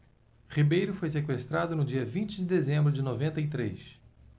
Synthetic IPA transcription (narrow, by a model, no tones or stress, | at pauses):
χibejɾʊfojsekwest̪ɾad̪ʊnʊd͡ʒiɐvĩnt͡ʃɪd͡ʒɪd̪ezẽmbɾʊd͡ʒɪnovẽnt̪ɐit̪ɾḛs